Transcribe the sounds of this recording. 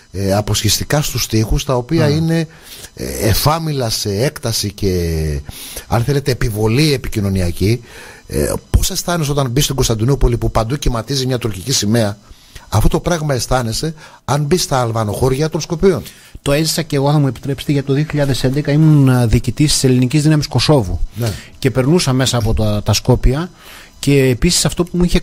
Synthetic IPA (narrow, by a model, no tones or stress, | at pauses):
ɐpo̞sçest̪ikɐst̪ust̪ixust̪ɐo̞piɐine̞ː | fɐmilɐse̞ekt̪ɐsice̞ | ɐ̰nθe̞le̞t̪e̞ːpivo̞lie̞picino̞niɐcḭ | po̞se̞st̪ɐneso̞t̪ɐnbist̪oɡo̞st̪ɐnd̪inupolipupɐnd̪ucimɐt̪izimɲɐt̪uɾcicisime̞ɐ | ɐfo̞t̪o̞pɾɐɣmɐe̞st̪ɐne̞se̞ | ɐnbist̪ɐːlvɐno̞xo̞ɾʝɐt̪o̞nsko̞pion | t̪o̞e̞zisɐce̞ɣo̞θɐmue̞pi̥t̪ɾe̞pset̪eʝɐt̪it̪oðioçiʎɐðe̞se̞nd̪ekɐimunðiːcit̪ist̪i̥se̞linicizðinɐmisko̞so̞vṵnce̞pe̞ɾnusɐme̞sɐːpo̞t̪t̪ɐsko̞piɐ | ce̞ːpisi̥sɐft̪o̞pumuiçe